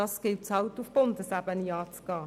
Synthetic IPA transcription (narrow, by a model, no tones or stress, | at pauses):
ɑsɡ̥ɪlt͡shɑwtufb̥ʊndəsabəniɑːt͡sɡ̥ɑː